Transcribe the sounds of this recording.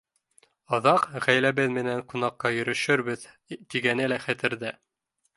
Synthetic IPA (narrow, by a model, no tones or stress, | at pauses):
ɑðɑqʁæjlæβɘðmɘ̆næŋqunɑqːɑjɵ̆ɾɵ̆ʃɵɾβɘð | t̪iɡænɘlæχæt̪ɘ̆ɾðɘ